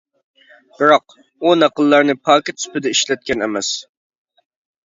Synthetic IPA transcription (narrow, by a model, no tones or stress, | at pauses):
b̥ɪɾɑq̚ | unæqəlˠːɑɾnɨpʰɑːkʲɪt̪ʰy̥pɪd̪ɛiʃlɛt̪̚kʲʰɛnɛmɛs